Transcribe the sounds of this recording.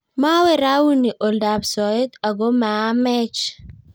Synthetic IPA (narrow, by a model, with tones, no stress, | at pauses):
ma˦wɛɾa˦wu˦ni˨ʔoldabsɔe˦t̪a˨ɡo˦ma˨˦mɛ˦t͡ʃ